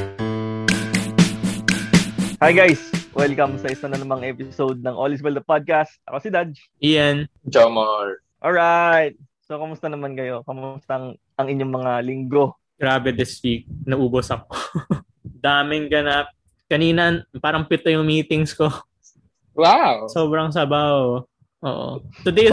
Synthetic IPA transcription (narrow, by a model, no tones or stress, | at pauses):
hajɡajswʔɛlkɐmsɐʔɪsanɐnɐmɐŋʔɛpɪsowd̪̚nɐŋʔolɪs̬bɛld̪ɐpad̪̚kast̪̚ʔɐ̰kosɪd̪ad̪̚ | ʔɪjɛnd͡ʒomɐɹ | ʔolɹajt̪̚ | sokomʊst̪ɐnɐmankɐjo̞kɐmʊst̪ɐŋ | ʔɐŋɪɲːoŋmɐŋalɪŋɡo̞ | ɡ̥ɾaːbɛd̪ɪswiːk̚nɐʔuːbosɐko | d̪aːmɪŋɡɐnap̚ | kɐniːnɐnpaːɾɐŋpɪt̪ojʊŋmiːt̪ɪŋsko̞ | wawsoːbɾɐŋs̬ɐbaho | ʔo̰ːʔo̰t̪ʊd̪e